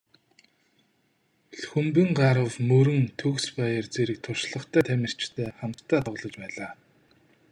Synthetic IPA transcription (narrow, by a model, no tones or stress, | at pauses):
ɮxɵmpɘ̆ŋɢaɾə̆wmɵɾɘ̆ŋt̪ʰɵkspæjə̆rt͡seɾɘ̆k̚t̪ʰʊrʃɮə̆χt̪ʰæːt̪ʰæmʲɪ̆r̥t͡ɕt̪ʰæːχam̥t̪ʰːæːt̪ʰɔʁɮɞ̆t͡ɕpæːɮaː